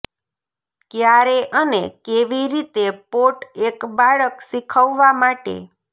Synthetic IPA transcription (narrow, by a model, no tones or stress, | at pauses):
kjaɾeʔənekeʋiɾit̪epoʈekbaɭəksikʰəʋːamaʈḛ